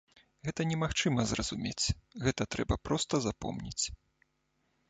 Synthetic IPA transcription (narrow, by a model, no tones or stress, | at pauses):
ɣɛt̪ɐnʲɛmaxt͡ʂɨmɐzrɐzumʲet͡sʲɣɛt̪ɐt̪ɾɛbɐpɾɔst̪ɐzapɔ̰mnʲḭt͡sʲ